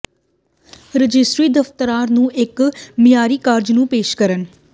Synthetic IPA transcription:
ɾəd͡ʒɪsʈɾiːd̪əft̪əɾaːɾnũːʔɪkmɪjaːɾiːkaːɾd͡ʒnũːpeːʃkəɾən

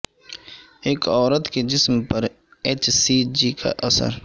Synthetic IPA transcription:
eːkɔːɾət̪ked͡ʒɪsmpɐɾ | eːt͡ʃsiːd͡ʒikʰa̰ʔɐsə̰ɾ

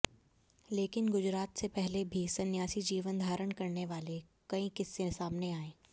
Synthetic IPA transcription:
leːkɪnɡʊd͡ʒɾaːt̪sepɛɦlebʱisɐnjaːsid͡ʒiːʋənd̪ʱaːɾəɳkɐɾneʋaːlekɐĩkɪsːesaːmneaːẽː

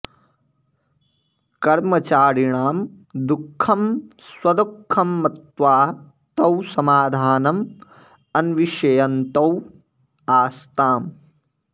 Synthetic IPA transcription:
kɐɾmɐt͡ʃaːɾiɳaːm | d̪ukʰːɐmswɐd̪ɐkʰːɐmːɐt̪ʋaː | t̪ɐwsɐmaːd̪ʱaːnɐm | ɐnʋiʃɐjɐnt̪ɐw | aːst̪aːm

